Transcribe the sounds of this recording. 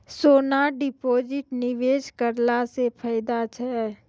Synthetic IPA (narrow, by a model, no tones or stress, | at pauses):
soːnaɖɪpoːd͡ʒɪʈnɪʋeːd͡ʒkəɾlasepʰəɪd̪at͡ʃʰɛː